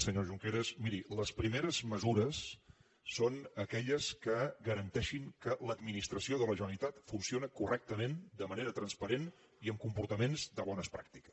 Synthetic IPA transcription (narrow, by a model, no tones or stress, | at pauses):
səɲoʒuŋkeɾəsmiɾiləspɾimeɾəzməzuɾəsː | onəkɛʎəskəɡəɾənt̪ɛʃiŋkələd̪minist̪ɾəsioðələʒənəlit̪at̪funsionəkurʔɛk̚t̪əmẽnd̪əməneɾət̪ɾənspəɾen | iəmkumpuɾt̪əmenzd̪əβɔnəspɾak̚t̪i̥kə̥s